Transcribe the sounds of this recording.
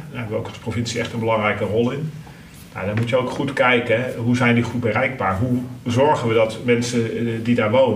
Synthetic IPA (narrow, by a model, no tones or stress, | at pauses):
ɹɦɛbəʋəowkɑlˠsprovɪnsiɛχtənbəlɑŋrɛjkərɔlˠɪn | na̰ːdaːɹmutjəowkχutkɛjkəɦuzɛjndiχut̚bərɛjɡ̚baːɹɦuzɔɹχənʋədɑtmɛnsədidaːɹʋownə